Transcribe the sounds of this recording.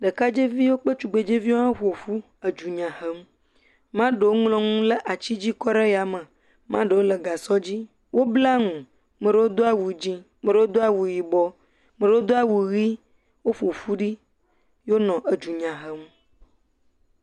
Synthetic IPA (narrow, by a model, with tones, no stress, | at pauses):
ɖə˨ka˦d͡ʒe˦vi˦wo˦k͡pə˦t͡ʃu˨ɡ͡be˨d͡ʒe˦vi˦wo˦mã˦ɸo˨fu˦ | ə˨d͡ʒu˨ɲã˨hə˦m˦ | mã˦ɖə˨wo˦ŋ˦lɔ̃˦ŋũ˦lə˦ʔa˨t͡ɕi˦d͡ʑi˦kɔ˦ɖe˦ja˨mə̃˨ | mã˦ɖə˨wo˦lə˨ɡa˨sɔ˦d͡ʑi˦ | wo˦bla˦ŋũ˨ | mə̃˨ɖə˦wo˦d̪o˦a˦wu˨d͡ʑĩ˦ | mə̃˨ɖə˦wo˦d̪o˦a˦wu˨ji˨bɔ˦ | mə̃˨ɖə˦wo˦d̪o˦a˦wu˨ɣi˦ | wo˦ɸo˨fu˦ɖi˦ | jo˦nɔ̃˨ʔə˨d͡ʒu˨ɲã˨ɦə˨m˦